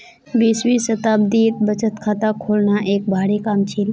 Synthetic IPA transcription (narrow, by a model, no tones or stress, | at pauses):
biswisət̪aːbd̪iːt̪̚bət͡ʃət̪kʰaːt̪akʰoːlnaʔeːk̚bʱaːɽikaːmt͡ʃʰiːl